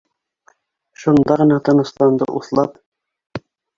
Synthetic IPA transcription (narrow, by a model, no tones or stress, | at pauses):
ʃund̪ɑʁɤ̆nɑt̪ɤ̆nɤ̆st̪ɑnd̪ɤ̰ʔṵθlˠɑp